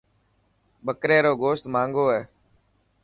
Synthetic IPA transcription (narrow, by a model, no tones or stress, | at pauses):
ɓəkɾeːɾoːɡoːst̪mãːŋɡoːɦɛː